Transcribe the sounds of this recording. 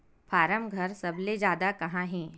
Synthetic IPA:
pʰaːɾəmɡʱɐɾsɐbled͡ʒaːd̪akɐɦãɦɛ̃ː

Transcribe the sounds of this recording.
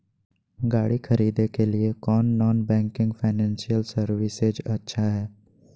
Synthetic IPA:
ɡaːɽixʰɐɾiːd̪ekeliekɔːnːɔːnbɛ̃ːŋkɪ̃ŋɡfʰaɪnɛ̃ːnsijəlsɐɾʋɪsed͡ʒɐtːʃʰaɦɛː

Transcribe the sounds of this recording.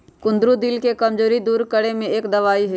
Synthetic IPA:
kʊ̃nd̪ɾud̪ɪlkekɐmd͡ʒoːɾid̪uːɾkɐɽemẽeːkd̪ɐʋaːiɦɛ

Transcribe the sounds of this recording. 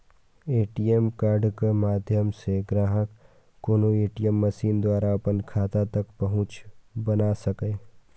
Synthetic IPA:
eːʈiemkaːɾɖkemaːd̪ʱjəmseɡɾaːɦəkː | oːnoeːʈijemːɐʃiːnd̪waːɾaɐpənkʰaːt̪at̪ɐkpɐɦʊ̃t͡ʃbɐnasɐkẽː

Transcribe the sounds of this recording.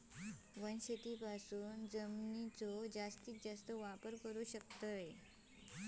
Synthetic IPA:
ʋənɕet̪iːpasuːnd͡zəmnit͡sod͡zast̪iːk̚d͡zast̪əʋapəɾkəɾuːɕək̚t̪əje

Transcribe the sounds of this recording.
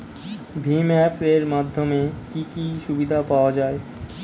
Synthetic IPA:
bʱimɛpeɾmad̪ʱːomekikiʃubid̪ʱapaoad͡ʑaːe

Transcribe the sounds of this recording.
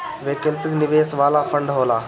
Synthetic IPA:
ʋeːkəlpɪknɪʋeːsʋaːlafʰə̃ɳɖɦoːlaː

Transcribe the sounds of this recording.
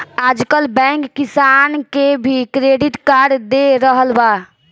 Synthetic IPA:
ad͡ʒkəlbɛ̃ŋkːisankebʱikɾeɖiʈkaɾd̪eɾəɦəlba

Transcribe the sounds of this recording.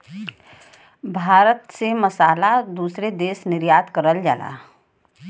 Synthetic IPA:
bʱaːɾət̪semɐsaːlad̪uːsɾed̪eːsnɪɾjaːd̪kəɾəld͡ʒaːla̰ː

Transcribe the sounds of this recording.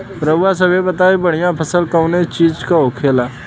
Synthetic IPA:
pɾəbwas̬əbebət̪aːibəɽ̤ijãpʰəsəlkəʊnet͡ʃiːd͡ʒkaokʰeːla

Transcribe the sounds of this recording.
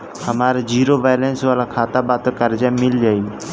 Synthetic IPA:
həmaːɾed͡ʒiːɾoːʋaːlensʋaːlaːkʰaːt̪aːbaːt̪okəɾd͡ʒaːmɪld͡ʒaːiː

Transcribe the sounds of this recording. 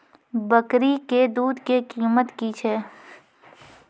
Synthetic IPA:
bəkɾiked̪uːd̪kekiːmət̪kit͡ʃʰɛː

